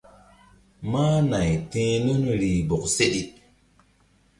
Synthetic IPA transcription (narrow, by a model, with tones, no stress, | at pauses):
maː˦na˨jtẽː˦lo˦n˨ɾi˨bo˨kse˦di˦t̚